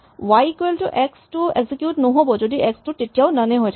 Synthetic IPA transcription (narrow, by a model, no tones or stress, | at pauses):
wajkeltuʔɛkstueɡzikjuʈnɔɦobɔd͡ʒodiɛkstuʈetijaʊnəneɦojtʰa